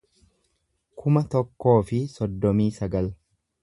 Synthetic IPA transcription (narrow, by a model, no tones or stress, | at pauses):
kʰʊmɐt̪ɔkːo̞ːfɪsɔd̪ːɔmiːsɐɡɐl